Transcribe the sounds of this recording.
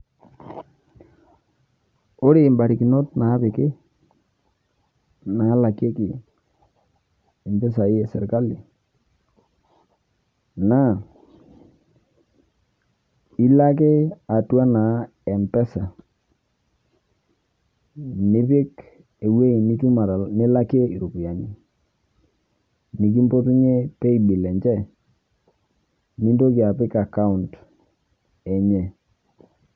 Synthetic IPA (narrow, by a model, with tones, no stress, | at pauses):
o˦ɾɪ˨mba˨ɾi˨kɪ˨no˦tna˨˦pɪ˨kɪ˦ | na˨˦la˨kje˦kɪ˨ | ɛ˨mpɛ˦s̬a˨ɪ˦ɛ˨sɛ̰˨ɾka˦lɪ˨ | na˦˨ | i˦la˦ke˦a˨twa˦na˨˦ | ɛ˨mpɛ˦sa˨ | nɪ˦pɪ˦k | e˨we˦i˨ni˦tu˦ma˨ɾnɪ˦la˦ke˦i˨ɾu˨ku˨ja˨ni˦ | ni˨k̬i˦mpo˦tu˦ɲe˦pe˦i˨ɓi˨lɛ˨ɲt͡ʃɛ˦˨ | ni˦ndo˦kɪ˨a˨pɪ˦ka˨ka˦u˨nt | ɛ˨ɲɛ˨